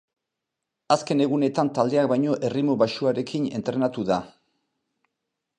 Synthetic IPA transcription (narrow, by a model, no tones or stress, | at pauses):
aske̞ne̞ɣ̞une̞t̪ant̪ald̪e̞ak̚bajɲo̞ʔe̞rimoβaʃuaɾe̞kʰine̞̰nt̪ɾe̞nat̪uða